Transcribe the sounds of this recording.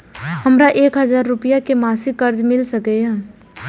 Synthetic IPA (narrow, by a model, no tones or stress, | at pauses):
həmɾaʔeːkɦəzaːɾːʊpijakemaːsɪkːəɾd͡ʒmɪlsəkɛɛ̃